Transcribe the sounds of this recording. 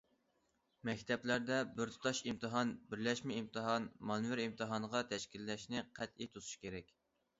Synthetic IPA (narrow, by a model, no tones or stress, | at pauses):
mɛkʲt̪ʰɛplæɾd̪ɛbyɾt̪ʰɨ̥t̪ʰɑʃimt̪ʰɨɦɑnbɪɾlɛʃmɛimt̪ʰɨɦɑnmɑnvɪɾimt̪ʰɨɦɑnəʁɑt̪ʰɛʃkʲilːɛʃnɪqʰɛt̪it̪ʰuzu̥ʃkʲeɾɛkʲ